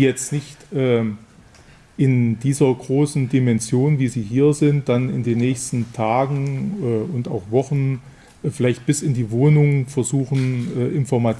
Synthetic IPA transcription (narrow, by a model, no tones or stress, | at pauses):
jɛt͡stnɪçtʔɛː | ʔɪndiːzɐɡʁoːsn̩dimɛnzjoːnviːziːɦiːɐzɪnt̚d̥anɪ̰ndeːnːɛːçstn̩tʰaːɡŋ̩ɛːʊnta̰ʊxv̥ɔχn̩ | fɪlaɪçt̚b̥ɪsɪndiːvoːnʊŋfɛɐzuːχn̩ʔɛːʔɪnfɔɐma